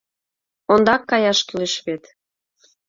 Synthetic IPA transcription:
ond̪ɑkːɑjɑʃkyleʃβet̪

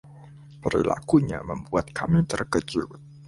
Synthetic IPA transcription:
pəɾḭlʔa̰kuɲaməmbuat̪̚kʰamit̪ərkət͡ʃul

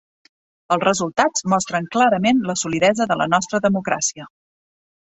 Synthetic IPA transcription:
əlˠzrəzulˠt̪ad͡zmɔst̪ɾəŋklaɾəmenləsuliðɛzəðələ̰nɔst̪ɾəðəmukɾasiə

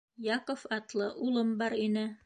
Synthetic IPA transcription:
jɑqofɑt̪lˠɤʔulˠɤmbɑɾinɘ

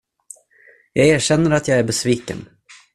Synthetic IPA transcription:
jɑːɡæːɕɛnːəɾat̪ʰjɑːɡæɾbɛsviːkə̰n

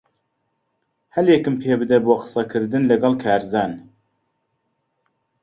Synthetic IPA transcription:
hɛljekɨmpʰeːbɨd̪ɛboːqɨ̥sɐkʰɨɾd̪ɨnlɐɡɑlˠkʰaːɾzaːn

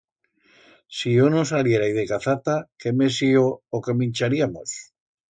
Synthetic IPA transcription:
sionosaljeɾajðekaθat̪akemesiookemĩnʲt͡ʃaɾiamos

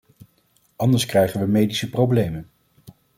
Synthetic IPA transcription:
ɑndəɹskrɛjχənʋəmejdisəprowblejmən

